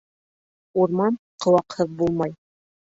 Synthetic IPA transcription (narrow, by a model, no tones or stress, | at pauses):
uɾmɑn | qɤ̆wɑqhɤðbulˠmɑj